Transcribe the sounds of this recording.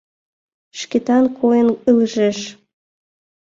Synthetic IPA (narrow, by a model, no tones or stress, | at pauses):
ʃket̪ɑnkʰojənɨlʒeʃ